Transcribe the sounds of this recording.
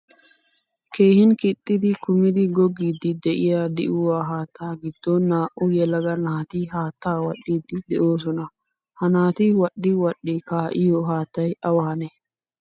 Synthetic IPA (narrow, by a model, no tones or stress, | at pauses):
ke̞ːhɪnkɪt̪ʼːɪd̪ɪkʊmɪd̪ɪɡɔɡːiːd̪ːɪd̪ɛʔɪjaːd̪ɛʔʊwaːɦaːt̪ʰːaːɡɪd̪̥ːɔnaːʔʊjɛlɐɡɐnaːt̪ɪɦaːt̪ːaːwɐɗːiːd̪ːɪd̪ɛʔoːs̬ɔnɐ | hɐnaːt̪ɪwɐɗːɪwɐɗːɪkaːʔɪjoːɦaːt̪ːɐjɐwaːnɛ